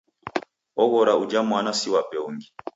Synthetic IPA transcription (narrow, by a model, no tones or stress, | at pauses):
ɔɣɔɾaud͡ʒamwanasiwapɛɔŋɡi